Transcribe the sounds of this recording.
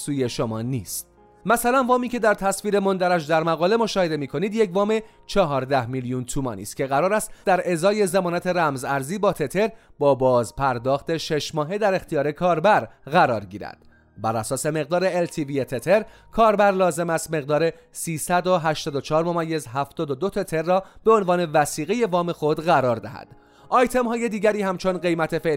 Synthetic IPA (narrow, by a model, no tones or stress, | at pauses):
suːje̞ʃomɒːniːst̪ | mæsælænvɒːmiːcʰe̞d̪æɾt̪ʰæsviːɾe̞mo̞nd̪æɾæʃd̪æɾmæɣɒːle̞mo̞ʃɒːhe̞d̪e̞miːkʰo̞niːd̪je̞cvɒːme̞ | t͡ʃʰɒɦɒːɾd̪æhmiljunt̪ʰumɒ̰ːnḭːst̪̚cʰʲe̞ɣæɾɒːɾæst̪d̪æɾe̞zɒːje̞zemɒːnæt̪ʰe̞ɾæmzæɾziːbɒːt̪ʰet̪ʰe̞ɾbɒːbɒːzpʰæɾd̪ɒːxt̪ʰe̞ʃeʃmɒːɦe̞d̪æɾe̞xt̪ʰijɒːɾe̞kʰɒːɾbæɾɣæɾɒːɾɟiːɾæ̰d̪̥ | bæɾæsɒːse̞me̞ɣ̚d̪ɒːɾeːlt̪ʰiviet̪ʰet̪ʰe̞ɾ | kʰɒːɾbæɾlɒːze̞mæst̪me̞ɣd̪ɒːɾe̞ | siːsæd̪o̞ɦæʃt̪ɒːd̪ot͡ʃʰɒːɾmomæjːe̞zɦæft̪ɒːd̪od̪o̞t̪ʰet̪ʰe̞ɾːɒːb̥eo̞nvɒːne̞væsiːɣeje̞vɒːme̞xo̞d̪ɣæɾɒːɾd̪æhæ̰d̪̥ | ʔɒːjt̪ʰe̞mɦɒːje̞d̪iːɟæɾiːhæmt͡ʃʰo̞nɢe̞jmæt̪ʰe̞fe